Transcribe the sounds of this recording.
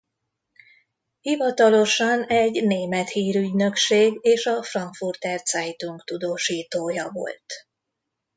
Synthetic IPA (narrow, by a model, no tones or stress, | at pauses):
hivɒt̪ɒlo̞ʃɒnɛɟneːmɛt̪hiːɾyɟnø̞kʃeːɡeːʃɒfrɒŋkfurt̪ɛrt̪sɛjt̪uŋkt̪ud̪oːʃiːt̪oːjɒvo̞̰lt̪